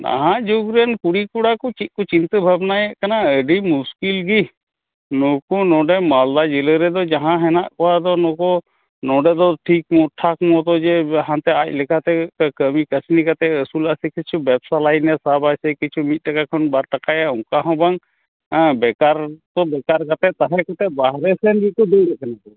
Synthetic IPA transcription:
na̰ɦãʔd͡ʒuɡɾənkuɽikuɽakɔt͡ʃit̪̚kɔt͡ʃint̪əbʱabnajaʔkanaəɖimuskilɡi | nokunɔ̃ɖɛmald̪ad͡ʒiləɾɛd̪ɔd͡ʒaɦãɦɛnaʔkɔɦad̪ɔnɔ̃kɔ | nɔ̃ɖɛd̪ɔʈʰik̚mɔ̃ʈʰakmɔ̃t̪ɔd͡ʒɛɦãt̪ɛac̚ˀlɛkʰat̪ɛkkəmikəsnikat̪ɛəsulasɛkit͡ʃʰubɛbsalajnɛsabasɛkit͡ʃʰumit̪̚ˀʈakakʰɔnbaɾʈakajaũkaɦɔ̃baŋ | bɛkaɾt̪ɔbɛkaɾkat̪ɛt̪aɦɛkɔt̪ɛbaɦɾɛsɛnɡikɔd̪uɖɛʔkanak̪ɛ

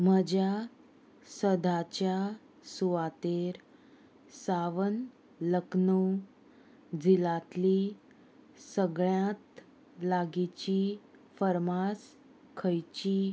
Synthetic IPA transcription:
m̤əd͡ʑa | səd̪ʱat͡ɕja | suʋat̪eɾ | saʋən | ləknu | d͡zilat̪li | səɡɭjãt̪ | laɡit͡ɕi | fəɾmas | kʰəjt͡ɕiː

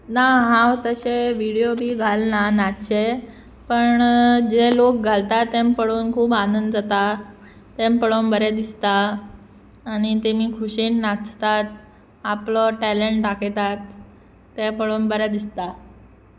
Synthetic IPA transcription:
naɦãwt̪əɕeʋiɽijobʱiːɡʱalnanat̪t͡ɕe | pəɳd͡ʑelok̚ɡʱalt̪at̪ːẽmpəɭoːnkʰuːbanənd̪d͡zat̪a | t̪empəɭonbəɾɛd̪ist̪aː | ñit̪emiːkʰuɕiːɳnatt͡st̪at̪̚ | aplɔʈɛleɳʈʈakʰet̪at̪ː | epəɭonbəɾɛd̪ist̪a

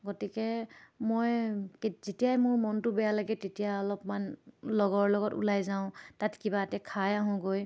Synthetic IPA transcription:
ɡotikɛmojkez̥itijajmʊɹmɔntʊbɛjalaɡɛtetijaɔlɔpmanlɔɡɔɹlɔɡɔtṵlajzaʊ̃tatkibaːtɛkʰajaɦʊ̃ɡoj

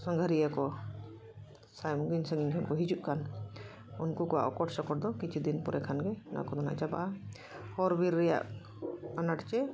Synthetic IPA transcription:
səŋɡʱəɾijakɔ | sajmɡiɲsə̃ŋɡiɲkʰankɔɦid͡ʒuʔ̚kʰan | unkukɔwa̰ʔɔkɔʈʰsɔkɔɽd̪ɔkit͡ʃʰid̪inpɔɾɛkʰanɡɛna̰kɔd̪ɔna̰d͡ʒaba̰ʔa | hɔɾbiɾːɛja̰ʔ | anaʈʰt͡ʃɛ

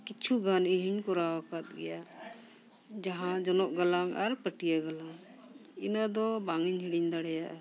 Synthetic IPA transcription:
kit͡ʃʰuɡʱaniɦiɲkuɾawakat̪̚ˀɡɛ̰ja | d͡ʒaɦãd͡ʒɔnɔʔɡalaŋaɾpəʈijaɡalaŋ | inad̪ɔbaŋiɲɦiɽiɲd̪aɽɛjaʔa

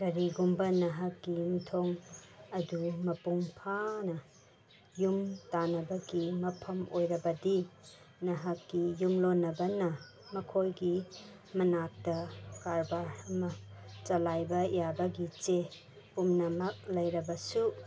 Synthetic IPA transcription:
ɡɐɾiɡumbɐnɐɦɐkːintʰoŋɐdumɐpuŋpʰanɐ | jumtanɐbɐɡimɐpʰɐmojɾɐbɐdi | nɐɦɐkːijumlonːɐbɐnɐ | mɐkʰojɡi | mɐnak̚tɐkaɾbaɾɐmɐt͡ʃɐlajbɐjabɐɡit͡ʃe | pumnɐmɐk̚lɐjɾɐbɐsu

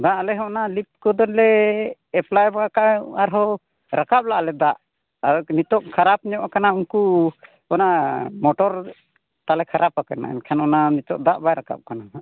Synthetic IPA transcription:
d̪aʔlɛɦɔɔnalip̚kɔd̪ɔnlɛɛpʰlajbaakaaɾɦɔ | ɾakap̚laʔalɛd̪aʔ | amit̪ɔʔkʰaɾap̚ɲɔʔakanaunku | ɔnaʔmɔʈɔɾ | t̪alɛkʰaɾapaka̰na̰ɛ̰ɲkʰanɔnanit̪ɔʔ̚d̪aʔbajɾaka̰p̚kana

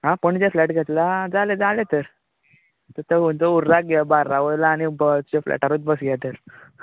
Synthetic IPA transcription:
ɦãpəɳd͡ʑeflɛʈɡʱɛt̪lad͡zaled͡zalet̪əɾ | t̪əɾt̪əunt̪əuɾɾak̚ɡɛbaɾːaʋəjlaːɽ̃ibət͡ɕeflʔɛ̰ʈaɾuːt̪̚bəsɡɛt̪əɾ

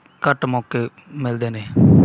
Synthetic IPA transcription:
kəʈmɔːkeː | mɪld̪eːneː

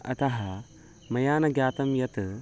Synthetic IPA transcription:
ɐ̰t̪ɐɦɐ | mɐjaːnɐɡjaːt̪ɐmjɐt̪

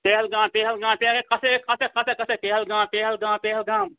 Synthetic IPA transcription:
peːɦəlɡãːpeːɦəlɡãːpeːekʰɐsekʰɐsekʰɐsekɐsepeːɦəlɡãːpeːɦəlɡãːpeːɦəlɡãːm

